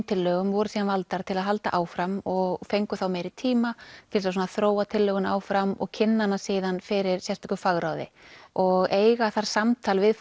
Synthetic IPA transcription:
mt̪ʰɪlːœːɣʏmvɔɾʏsiːðanvalt̪aɾ̥t̪ʰɪlaðɦalt̪a̰ʔaːwfɾamɔɣfejŋkʏθawmejɾɪt̪ʰiːmat̪ʰɪls̬as̬ɔnaθɾoːwat̪ʰɪlːœːɣʏnaːwfɾamɔ̰ɣcʰɪnːanasiːðanfɪɾɪɾ̥sjɛst̪ʰɔhkʏfaɣɾawðɪ̰ɔɣeːjɣaθaɾ̥samt̪ʰaːlvɪð

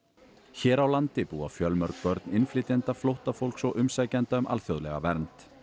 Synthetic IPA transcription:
çɛːɾawlant̪ɪpuːa̰fjœlmœɾk̚pœɾt̪nɪnflɪːt̪jant̪aflowht̪afowl̥ksɔɣʔʏmsaːjcant̪aʏmʔa̰lθjowðlɛ̰ɣa̰vɛɾnt̪

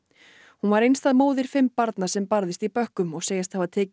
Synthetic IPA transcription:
hunvaɾejnst̪aðmoːwðɪɾ̥fɪmpaɾt̪nḁsɛmpaɾðɪst̪ipœhkʏmɔɣseːjɪst̪havat̪ʰɛːc

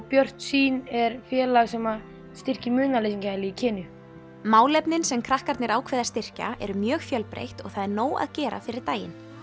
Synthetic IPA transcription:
pjœr̥t̪siːnɛɾfjɛːlaɣsɛma | st̪ɪr̥cɪmʏːnalejsiɲcaalɪicʰɛːnʏ | maːwlɛpnɪnsɛmkʰɾahkaɾt̪nɪɾaːwkʰvɛːðast̪ɪr̥ca̰ɛ̰ɾʏmjœːɣfjœlpɾḛjht̪ɔ̰ɣθaðɛɾnoːwa̰ðcɛːɾa̰fɪɾɪɾ̥t̪aːjɪ̰n

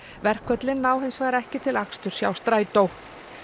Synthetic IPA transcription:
vɛr̥kʰvœt̪lɪnːaːwɦejnsvaːɣɾɛhcɪt̪ʰɪlakst̪ʏɾ̥sja̰ːwst̪ɾaːjt̪owh

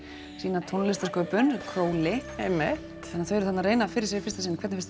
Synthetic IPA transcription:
siːnat̪ʰonlɪst̪askœːpʏnkʰɾoːwlɪemɪt | ɛnːaθœjɛɾʏθat̪naɾreːjnafɪɾɪsɛfɪ̥st̪asɪnkʰvɛt̪nɪfɪ̥st̪

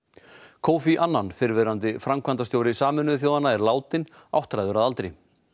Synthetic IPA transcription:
kʰoːwfiʔanːanfɪɾvɛɾant̪ɪfɾamkʰvant̪ast̪jowɾɪsaːmɛnʏɪθ̬joːwðanːaɛɾlaːwt̪ɪn | a̰wht̪ɾajðʏɾaðalt̪ɾej

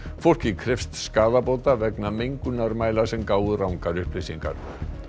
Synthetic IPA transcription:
fowl̥cɪkʰɾɪfst̪skaːðapowt̪avɛknameŋkʏnaɾmaːjlḁsɛmkaːwðʏrawŋkaɾʏhplɪsiŋka̰ɾ̥

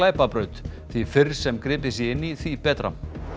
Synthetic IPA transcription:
laːjpapɾœːɥt̪θvifɪɾsɛmkɾɪːpɪsjɛɪnːiθvipɛːt̪ɾa̰

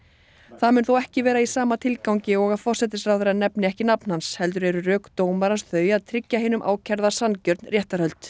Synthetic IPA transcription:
θaðmʏnθowɛhcɪvɛːɾaisaːmat̪ʰɪlkawɲcɪɔɣaðfɔr̥sɛt̪ɪsɾrawðʏɾanɛpnɪɛhcɪnapn̥hanshɛlt̪̬ʏɾɛɾʏrœːkt̪oːwmaɾansθœːɥjaðt̪ʰɾɪcːaheːnʏmʔa̰ːwcʰɛɾðasancœɾt̪nrjɛht̪aɾhœlt̪

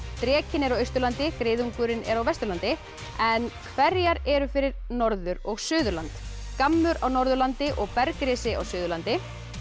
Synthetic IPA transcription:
t̪ɾɛːcɪnɛɾawœɥst̪ʏɾlant̪ɪkɾeːjðuŋkʏɾɪnɛ̰ɾawvɛst̪ʏɾlant̪ɪ | ɛnkʰvɛɾjaɾɛɾʏfɪɾɪɾnɔɾðʏɾɔɣsʏːðʏɾlant̪ | kamlʏɾawnɔɾðʏɾlant̪ɪʔɔɣpɛɾkɾɪːsɪa̰wsʏːðʏɾlant̪ɪ

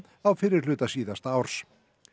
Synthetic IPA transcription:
awfɪɾɪɾ̥lʏːt̪asiːðast̪awɾ̥s

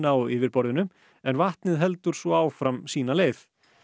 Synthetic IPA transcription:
nawɪvɪɾpɔɾðɪnʏm | ɛnvaht̪nɪðɦɛlt̪ʏɾ̥sɔaːwfɾamsiːnaleːjθ

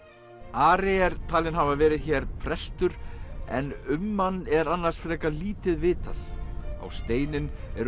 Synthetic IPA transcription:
aːɾɛɛɾt̪ʰaːlɪnɦavavɛːɾɪðçɛːɾpʰɾɛst̪ʏɾɛ̰nʏmːanːɛɾanːaɾ̥sfɾɛkaliːt̪ɪðvɪːt̪aθa̰wst̪eːjnɪnɛɾ

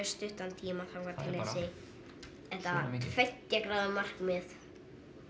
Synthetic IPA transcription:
st̪ʏht̪ant̪ʰiːmaθawkvaɾt̪ʰɪlːesɪ | ɛht̪afɛcːakɾaːwðʏmar̥kmɪð

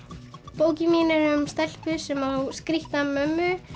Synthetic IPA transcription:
poːwcɪmiːnaɾʏmst̪ɛl̥pʏsɛmaskɾiht̪amœmːʏ

